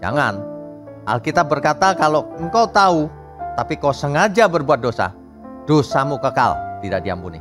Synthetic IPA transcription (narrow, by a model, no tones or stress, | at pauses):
d͡ʒa̰ŋan | ha̰lkit̪ap̚bərkat̪akaloəŋkaut̪au | t̪apikawsəŋad͡ʒabərbuat̪̚dosa̰ | d̥osamukəka̰lt̪idaʔdia̰mpunḭ